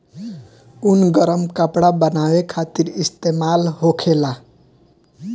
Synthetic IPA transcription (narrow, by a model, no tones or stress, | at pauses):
unɡʌɾəmkəpɽabənawekʰat̪iɾist̪emalɦokʰela